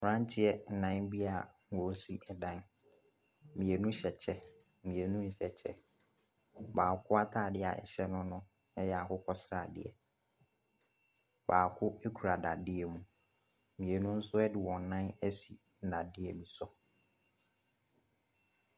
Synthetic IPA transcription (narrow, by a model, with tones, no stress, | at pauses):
fɾã˦n˦tʰɪ˦ɛ˦n̩˨nã˦bi˦a˨ŋ˦˨ɔ˨˦si˦ʔɛ˨dã˦n˨ | mĩ˨e˨nũ˦ɕɛ˨t͡ɕʰɛ˦ | mĩ˨e˨nũ˦n̩˨ɕɛ˨t͡ɕʰɛ̰˦ | baː˨kʰʊ˦a˦tʰaː˨dɪ˦a̰˨ɛ̰˨ɕɛ˦nʊ̃˦nʊ̃˦ | ɛ˦jɛ˨a˨kʊ˦kʰɔ˦sɾa˨dɪ̰˦˨ɛ̰˨ | baː˨kʰʊ˦e˦kʰu˨ɾa˨da˨dɪ˦ɛ˨mũ˨ | mĩ˨e˨nũ˦n̩˦sʊ˦ɛ˦dɪ˨wɔ̃˨n˨nã˦nɛ˦si˨ | n̩˨dã˨dɪ˦ɛ˨bi˨sɔ˨